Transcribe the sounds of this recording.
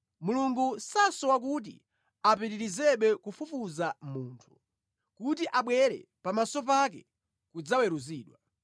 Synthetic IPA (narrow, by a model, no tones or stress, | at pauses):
muluŋɡusasɔwak̬ut̬ḭ | apiɾiɾizɛɓɛkufufuzamuːntʰu̥ | kutiʔaɓwɛɾɛ̰ | pamasɔp̬ak̬ɛ | kud͡zawɛɾuziːɗwa